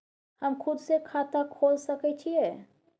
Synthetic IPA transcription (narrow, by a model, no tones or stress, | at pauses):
həmkʰʊd̪sekʰat̪akʰoːlsəkɛt͡ʃʰiɛ